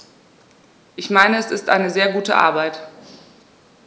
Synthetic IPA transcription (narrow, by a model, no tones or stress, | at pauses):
ʔɪçmaɪnəɛsɪstʔa̰ɪnəzeːɐɡuːtə̰ʔa̰ɐbaɪt